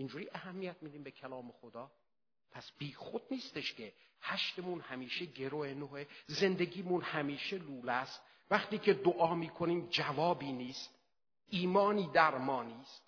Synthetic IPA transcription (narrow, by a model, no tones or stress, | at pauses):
ind͡ʒuːɾiʔæhæmːijæt̪̚miːd̪iːmbekʰælɒːmexod̪ɒː | pʰæsb̥iːxod̪̥̚niːst̪e̞ʃcʰehæʃt̪emunhæmiːʃeɟe̞ɾoenoheze̞nd̪e̞ɡiːmunhæmiːʃeluːlæst̪̚ | væxt̪iːkcʰed̪oʔɒːmiːkʰoniːmd͡ʒævɒːbiːniːst̪̚ | iːmɒːniːd̪æɾmɒːniːst̪̚